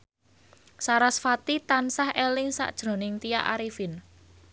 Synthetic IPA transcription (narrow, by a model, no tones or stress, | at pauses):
saɾasfat̪it̪ansahɛlɪŋsa̰ʔd̥ʒ̥ɾo̤nɪŋt̪ijaʔaɾifɪn